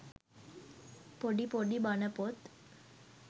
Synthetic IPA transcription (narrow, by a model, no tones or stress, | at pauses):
poɖipoɖibanəpot̪